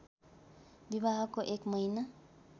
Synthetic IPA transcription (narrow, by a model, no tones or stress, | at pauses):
bibaɦʌkoʔekmʌjna